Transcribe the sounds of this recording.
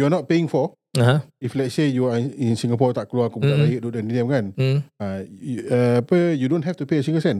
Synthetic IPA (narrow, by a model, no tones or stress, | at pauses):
juanɔt̚peĩŋfɔ | aɦãiflɛtsejuaĩnsĩŋɡapɔt̪aʔkluakɔbut̪aajiʔ̚dudanidɛ̃mɡanãaapəjudõnɦɛft̪upeəsĩŋɡəsɛ̃n